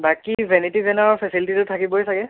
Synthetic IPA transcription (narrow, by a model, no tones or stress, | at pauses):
bakivʱɛnitibɛnaɹpʰɛsilititʊtʰakibɔjsaɡɛ